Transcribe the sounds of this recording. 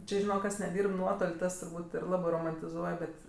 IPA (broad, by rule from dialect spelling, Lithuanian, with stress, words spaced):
ˈt͡ʃʲɪ ʒʲɪˈnoːk ˈkɐs nʲɛˈdʲiːrp ˈnuɔtoːlʲ ˈtɐs tʊrˈbuːtʲ ɪr ˈlˠɑːbɜ roːmɐnʲtʲɪˈzuɔj ˈbʲɛt